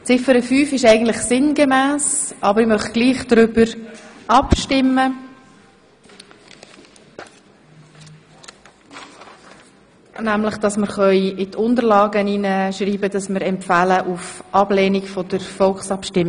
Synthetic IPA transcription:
t͡sɪfəɾəfyːfɪʃæɪɡən̩tlɪχsɪnɡemæːsʔɑbəɾɪmœχɡ̥liːχd̥ɾʏbəɾʔɑpʃtɪmːə | næmlɪχd̥ɑsməɾχœʏɪtʰʊndəɾlɑːɡəninəʃɾiːbəd̥ɑsməɾɛmpfæləʔufʔɑb̥leːnikfɔdəɾfɔlχsɑpʃtɪmːɪ

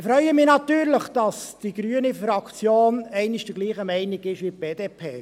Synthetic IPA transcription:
fɾœʏəmɪnɑt̪yːɾləχd̥ɑsd̥iɡɾyːənifɾɑkt͡sjoːnɛɪnɪʃd̥əɡliːχəmɛɪnɪɡɪʃʋip̚b̥eːdeːpʰeː

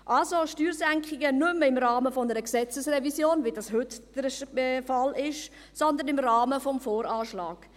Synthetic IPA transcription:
ʔalsoʃtyːɾsæŋkχɪɡənʏməɪmrɑːməfɔnəɾəksɛt͡səsrɛvisjoːnvidɑshʏtd̥əɾfɑlɪʃ | sɔnd̪ənɪmrɑːməfɔmfoːɾaːʃlɑ̰ːɡ̥

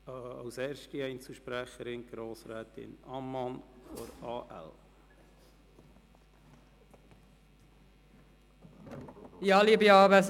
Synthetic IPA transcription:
ɑ̰wsɛːɾʃtiɛɪnt͡suʃpɾæχəɾɪnɡ̥ɾoːsɾɛːt̪ɪ̰nɑmːɑnfɔɾɑːʔæ̰l | jɑlibiɑːbəs

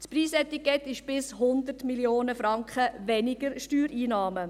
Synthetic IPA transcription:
spɾiːsɛt̪ikɛtːɪʃb̥ɪshʊnd̪ərtmiljoːnəfɾɑŋkχəʋɛnɪɡ̥əɾʃtyːɾiːnɑːmə

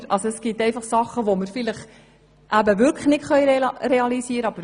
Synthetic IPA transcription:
ɾʔɑlsoɛsɡ̥itɛɪfɑχsɑχːəʋoməɾfɪləχ | ʔæbəʋʏɾkʰləχnɪtχœʏjɾeɑlisiəɾəɑb̥əɾ

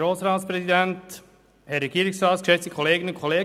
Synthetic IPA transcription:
ɾoːsɾɑːtspɾɛzidɛnt | hɛɾːɛɡiːɾɪksraːtskʃɛt͡stə̥kʰoleːɡənəʊnkʰoleːɡ

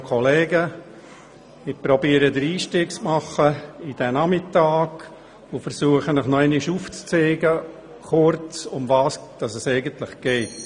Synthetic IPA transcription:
kʰɔleːɡə | ɪpɾɔbiːəɾəd̪əɾiːʃtɪːkt͡smɑχəɪd̥ɛnɑmɪtɑːɡ̥ | ʊfəɾsuəχənɪχnɔɛnɪʃuːft͡st͡seːɡə | χʊɾt͡sʊmvɑːsd̥ɑsɛsɛɪɡəntlɪχɡ̥ɛɪt

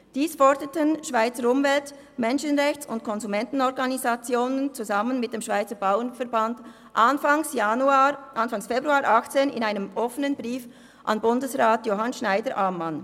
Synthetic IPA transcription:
d̥iːsfɔʁdətənʃv̥aɪt͡səɾʊmvɛlt | mɛnʃənʁɛçt͡sʊntkʰɔnzumɛntn̩ɔʁɡɑnizɑt͡sjoːnənt͡suzɑmənmɪt̚d̥eːmʃv̥aɪt͡səbaʊənfɛɐbɑnd | ʔɑnfaŋsjuʔɑnfɑŋsfebʁuaːɾʔɑxt͡seːnɪ̰naɪnəmʔɔfənənbʁiːf | ʔɑ̰nbʊndəsʁaːtjoːɦɑnʃnaɪdəɾʔaːmːɑn

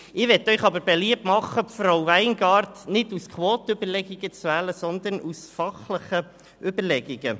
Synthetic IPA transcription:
ɪɾʋɛtːœʏχɑbəɾbeliəp̚tmɑχːəpfrowʋæɪnɡɑːrtnɪduskʰʋoːt̪ʏbəɾlɛɡiɡ̥ət͡sʋæːləsɔnd̪ənʔusfɑχləχə | ʏbəɾlɛɡiɡə

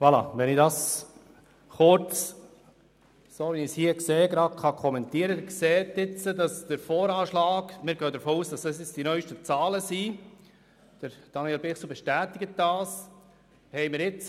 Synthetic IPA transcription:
ʋɑlɑ̰ʋɛnɪdɑs | χʊɾt͡s | soːʋinishiːəkseːɡɾɑdkʰχɑkʰɔmɛnt̪iəɾədkseːt̪ɪt͡sədɑsd̥əɾfɔːɾɑːʃlɑːɡmɪːɾɡœːd̪əɾfoːuːsd̥ɑsɑsɪt͡sd̥inœʏʃtət͡sɑːləsi | d̪̥əɾd̥ɑniɛlbɪχsl̩bɛʃtæːt̪ɪɡət̚d̥ɑːs | hɛɪmɪɾɪt͡s

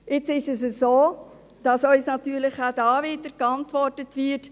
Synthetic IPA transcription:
ɪt͡sɪʃɛsəsoː | d̥ɑsœʏsnɑtyːɾlɪχæd̥ɑːʋɪːdəɾkɑntʋɔrtətʋɪt

